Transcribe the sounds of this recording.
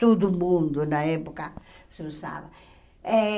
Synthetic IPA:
t̪od̪umũnd̪unɐɛpukɐ | sesa̰βɐ | ɛ

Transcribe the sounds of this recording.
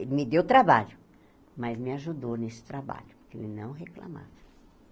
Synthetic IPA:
elɪmɪd̪ewt̪ɾabaʎʊ | mɐzmɪaʒud̪ownesɪ̥t̪ɾaba̰ʎʊpʊkḛlɪnɐ̃w̃ɦekla̰ma̰vɐ

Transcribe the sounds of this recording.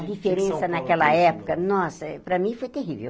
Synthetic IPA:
d̪ifeɾẽsɐnɐkɛlɐɛpʊ̥kɐnɔsɐpɾɐmĩfojt̪eɦivḛw

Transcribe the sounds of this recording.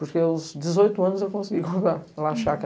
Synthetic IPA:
puɾkewzd̪ɨzojt̪uɐnuzewkõsɣikõvaɾlˠaʃak

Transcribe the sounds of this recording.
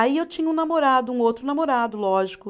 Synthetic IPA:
aiewt͡ʃĩɲɐũnamoɾad̪ʊũowt̪ɾʊnamoɾad̪ʊlɔʒikʊ

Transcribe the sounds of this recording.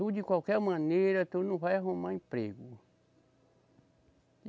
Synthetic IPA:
ud͡ʒikʷawkɛɾmãneɾɐt̪unũvajaɦõmãĩpɾeɡu

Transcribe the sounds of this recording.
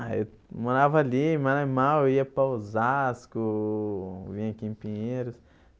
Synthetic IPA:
aḛw | moɾavɐalimaɾamaweiɐpazaskʊ | vĩɲɐ̃kĩpĩɲeɾʊs

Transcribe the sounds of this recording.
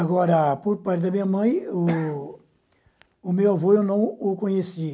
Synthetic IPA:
aɡɔɾɐpoɾpaɾt̪ɪd̪ɐmĩɲɐmɐ̃j̃ʊ | ʊmewavoewnɐ̃w̃ʊkõɲesi

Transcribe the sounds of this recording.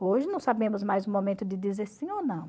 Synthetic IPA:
oʒɪnɐ̃w̃sabẽmʊzmajzʊ̃momẽnt̪ʊd̪ɪd̪izeɾsĩonɐ̃w̃

